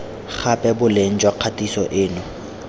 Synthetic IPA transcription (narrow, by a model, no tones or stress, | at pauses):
χʰapʼɛbʊlen̩t͡ʃʼwaq͡χʰatʼisɔʔɪːnʊ